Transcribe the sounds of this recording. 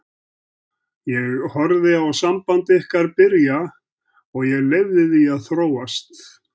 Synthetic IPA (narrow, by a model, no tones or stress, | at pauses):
jɛɣhɔɾðɪawsampant̪ɪɪhkaɾpɪɾja | ɔɣjɛɣlejvðɪðiaðθɾoːwast̪